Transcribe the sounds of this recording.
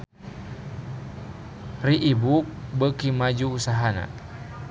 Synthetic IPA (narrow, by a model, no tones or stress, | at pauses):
riʔːbuk̚bəkimad͡ʒuːsaɦana̰